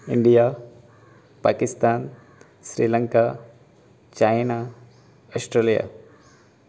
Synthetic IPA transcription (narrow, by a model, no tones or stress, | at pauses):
ɪɳɖija | pa̰kɪst̪aːn | sɾiːləŋka | t͡ʃajna | ɔsʈɾelija̰